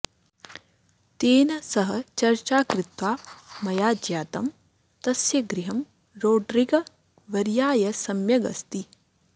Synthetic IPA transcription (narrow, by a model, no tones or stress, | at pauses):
t̪eːnɐsɐɦɐ̆t͡ʃɐɾt͡ʃaːkɾɪt̪ʋaːmɐjaːd͡ʒjaːt̪ɐm | t̪ɐsjɐɡɾɪɦɐm | ɾoːɖɾiɡɐ | ʋɐɾjaːjɐsɐmjɐɡɐ̰st̪i